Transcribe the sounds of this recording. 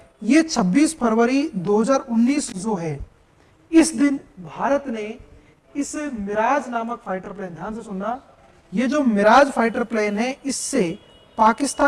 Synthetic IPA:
jeːt͡ʃʰɐbːiːspʰɐɾʋəɾid̪oːɦəzaːɾʊnːiːsd͡ʒoːɦɛː | ɪsd̪ɪnbʱaːɾət̪ne | ɪsmɪɾaːd͡ʒnaːməkfʰaːɪʈəɾpleːnd̪ʱjaːnsesʊnaː | jed͡ʒoːmɪɾaːd͡ʒpʰaːɪʈəɾpleːnɦɛ̃ɪsːe | paːkɪst̪aː

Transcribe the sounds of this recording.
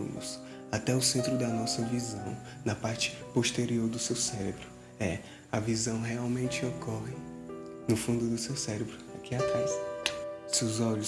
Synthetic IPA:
unʊ̰s | at̪ɛʊsẽnt̪ɾʊd̪ɐnɔsɐvizɐ̃w̃ | nɐpaɾt͡ʃɪ̥poʃt̪eɾioɾd̪ʊsewsɛɾebɾʊ | ɛ | ɐvizɐ̃w̃ɦeawmẽnt͡ʃɪokʰɔɦɪ | nʊfũnd̪ʊd̪ʊsewsɛɾebɾʊakiat̪ɾas | sewzɔʎʊs

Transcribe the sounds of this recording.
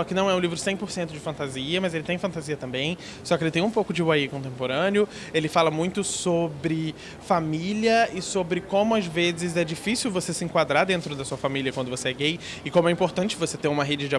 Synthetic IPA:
sɔkɪnɐ̃w̃ɛũlivɾʊsẽj̃poɾsẽnt̪ʊd͡ʒɪfɐ̃nt̪aziɐmɐzelɪt̪ẽj̃fɐ̃nt̪aziɐt̪ɐ̃mbẽj̃ | sɔkɪelɪt̪ẽj̃ũpowkʊd͡ʒɪwaikõt̪ẽmpoɾɐ̃nɪʊ | elɪfalɐmũj̃t̪ʊsobɾɪ | familiɐɪsobɾɪkõmʊazvezɪzɛd͡ʒifisiwvosesɪẽŋkwad̪ɾad̪ẽnt̪ɾʊd̪ɐsuɐfamilʲiɐkwɐ̃nd̪ʊvoseɛɡej | ɪkõmʊɛĩmpoɾt̪ɐ̃t͡ʃɪvoset̪ẽɾũmɐɦed͡ʒɪd͡ʒɪa

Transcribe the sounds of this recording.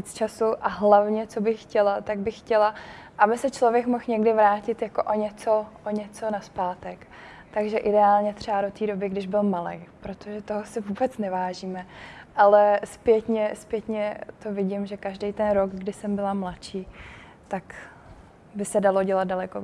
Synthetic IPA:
iːt͡st͡ʃasuʔaɦlavɲɛt͡so̞bɪxːcɛlat̪aɡ̚bɪxːcɛlaʔabɪsɛt͡ʃlo̞vjɛkmo̞xɲɛɡdɪvɾaːcɪt̪jako̞ʔoɲɛt͡so̞ʔoɲɛt͡so̞naspaːt̪ɛk | t̪aɡʒɛʔɪdɛaːlɲɛt̪r̝̥ɛbado̞t̪iːdo̞bɪɡdɪʒbɪlmalɛ̰jpɾo̞t̪oʒɛt̪o̞ɦosɪvuːbɛt͡snɛvaːʒiːmɛʔalɛspjɛt̪ɲɛspjɛt̪ɲɛt̪o̞vɪɟɪmʒɛkaʒdɛjt̪ɛnɾoɡɡdɪsɛmbɪlamlatt͡ʃiː | t̪ak | bɪsɛdalo̞ɟɛlat̪̚dalɛko

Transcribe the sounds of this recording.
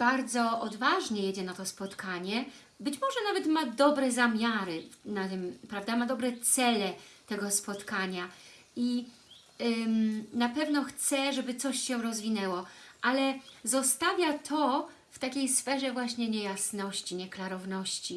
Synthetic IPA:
b̥aɾd̪zɔʔɔd̪vaʐɲɛjed͡ʑɛnat̪ɔspɔt̪kaɲɛ | bɘt͡ɕmɔʐɛnavɛt̪mad̪ɔbɾɛzamʲjaɾɘnat̪ɘmpɾavd̪amad̪ɔbɾɛt̪sɛlɛt̪ɛɡɔspɔt̪kaɲa | i | napɛvnɔxt̪sɛʐɛbɘt̪sɔɕːɛ̃ɾɔzvʲinɛwɔʔalɛzɔst̪avʲjat̪ʰɔ | ft̪akʲejsfɛʐɛvwaɕɲɛɲɛjasnɔɕt͡ɕiɲɛklaɾɔvnɔɕt͡ɕi

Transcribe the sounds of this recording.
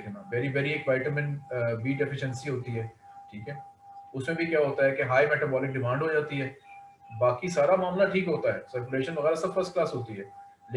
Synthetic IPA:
kɛnaʋɛːɾiʋɛːɾieːkʋaːɪʈəmɪ̃nbiːɖɛfɪʃə̃nsiɦoːt̪iɦɛː | ʈʰiːkɦɛː | ʊsmẽbʱikjaːɦoːt̪aɦɛkeɦaːimɛːʈɐbɔːlɪk̚ɖɪmãːɳɖʱɦod͡ʒaːt̪iɦɛː | baːkisaːɾamaːmlaʈʰiːkɦoːt̪aɦɛːsɐɾkuleːʃənʋɐɣɛːɾasɐbfɐɾsʈklaːsɦoːt̪iɦɛː | lː

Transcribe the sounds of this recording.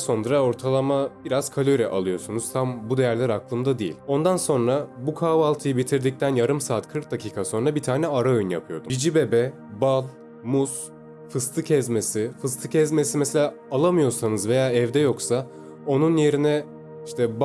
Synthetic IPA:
so̞nɾao̞ɾt̪ʰalˠamab̥iɾaz̥kʰalʲøɾɛʔa̰lˠɯjo̞sunuz̥t̪ʰambud̪e̞jæɾlʲæɾaklˠɯmd̪ad̪ejḭlʲo̞nd̪anso̞nɾabukʰaːvalˠt̪ʰɯjɯbit̪ʰiɾd̪ic̚t̪ʰænjaɾɯmsaːt̪kʰɯɾk̪t̪̚d̪acʰiːkʰaso̞nɾabit̪ʰaːnɛaɾao̞jynja̰pʰɯjo̞̰d̪umid͡ʒibe̞bɛ | balˠ | mus | fɯst̪ʰɯcʰɛzme̞sifɯst̪ʰɯcʰɛzmesimɛselʲaː | alˠamɯjo̞ɾsanɯzve̞jaːɛvd̪ɛjo̞ksa | o̞nunje̞ɾinɛ | iʃt̪ʰɛb

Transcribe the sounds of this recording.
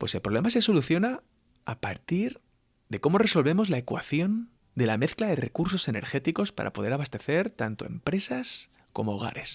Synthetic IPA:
pwese̞lpɾoemase̞so̞luθjo̞naː | pa̰ɾt̪iɾ | ðe̞ko̞mo̞re̞so̞lβe̞mo̞zlaekwa̰θjo̞n | d̪e̞lame̞θklaðe̞re̞kuɾso̞se̞ne̞ɾxe̞t̪iko̞spa̰ɾa̰po̞ðe̞ɾaβast̪e̞θe̞ɾt̪ant̪o̞e̞̰mpɾe̞sas | ko̞mo̞ːɣ̞a̰ɾe̞s

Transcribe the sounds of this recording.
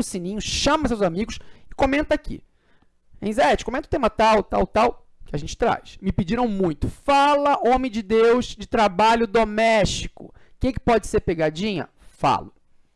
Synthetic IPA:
ʊsĩnĩɲʊʃɐ̃mɐs̬ewzamiɡʊsɪkõmẽnt̪ɐakʰḭ | ḛ̃zɛt͡ʃɪ̥komẽt̪ʊ̥t̪ẽmɐt̪awt̪a̰wt̪aw | kʲɪaɐʒẽnt͡ʃɪ̥t̪ɾa̰smɪpɪd͡ʒiɾɐ̃w̃mũj̃t̪ʊ̥falɐʔõmẽj̃d͡ʒɪd̪ewzd͡ʒɪt̪ɾabaʎʊd̪omɛʃt͡ʃi̥kʊ̰ | kɛkɪ̥pɔd͡ʒɪseɾpeɡad͡ʒĩɲɐ̰ | fa̰lʊ

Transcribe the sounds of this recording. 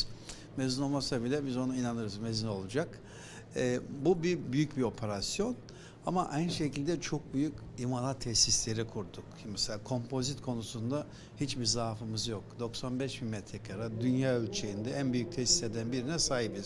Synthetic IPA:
mezino̞lˠmasabilʲɛbizo̞nainanɯɾɯzmezino̞lˠud͡ʒakː | bubibyjycbio̞pʰe̞ɾasjo̞n | amaʔajnʃe̞cʰilʲd̪ɛt͡ʃʰo̞k̚byjycimanˠat̪ʰːɛsislʲe̞ɾikʰuɾd̪ukmɛselʲaːkʰo̞mpʰo̞zit̪kʰo̞nusund̪a | hit͡ʃbiɾzaːfɯmɯzjok̚d̪o̞ksanbɛʃmimɛt̪ʰɾɛkʰaɾad̪ynjaːølʲt͡ʃʰejind̪ɛænbyjyc̚t̪ʰɛsi̥se̞d̪ænbiɾinɛsajibɯz̥

